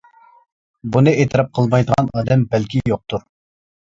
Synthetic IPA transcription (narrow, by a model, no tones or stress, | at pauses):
bunɨet̪ʰɨɾɑp̚qʰəlˠmɑjd̪əʁɑnɑːd̪ɛmbɛlkʲijoq̚t̪uɾ